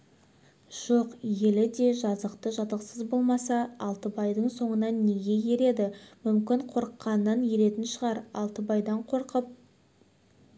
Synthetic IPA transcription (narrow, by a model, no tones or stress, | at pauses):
ʒ̥oqje̞lɪd̪e̞ʒɑzəqt̪əʒɑt̪əqsəzbo̞lˠmɑsɑɑlˠt̪əbɑjd̪əɴso̞ɴənɑnːe̞ɡʲe̞je̞ɾe̞d̪ɪmʏmkʲɪɴqʰo̞ɾəqːɑnːɑnje̞ɾe̞t̪ɪnʃəʁɑɾɑ̰lˠt̪əbɑjd̪ɑɴqʰo̞ɾqəp̚